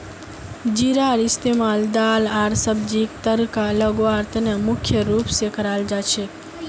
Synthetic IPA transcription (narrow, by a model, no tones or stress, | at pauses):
d͡ʒiɾaɾist̪emald̪alaɾsəbd͡ʒikt̪əɾkaləɡoʋaɾt̪nemʊkʰjəɾupsekʰəɾald͡ʒat͡ʃʰe